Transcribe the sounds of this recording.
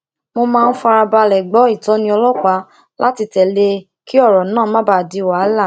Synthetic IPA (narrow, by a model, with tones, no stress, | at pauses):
mo˧mãː˦˧n̩˦fa˧ɾa˧ba˧lɛ˨ɡ͡bɔ˨˦i˦˨tɔ̃˨˦nĩ˧˦ɔ˧lɔ˦˨ka˨˦ | la˦ti˧tɛ˨le˧ | ki˦ɔ˦˨ɾɔ˨nãː˦˨˦mã˦ba˦˨di˨˦wa˨˦la˦˨